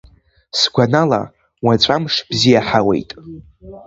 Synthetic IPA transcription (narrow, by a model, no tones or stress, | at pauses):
sɡʷanala̰ | wat͡ɕʷʼamʂb̥zijaħawḛjtʼ